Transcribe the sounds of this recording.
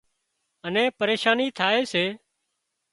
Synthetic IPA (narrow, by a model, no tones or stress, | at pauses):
ənẽːpəɾeːʃaːniːt̪ʰaːeːseː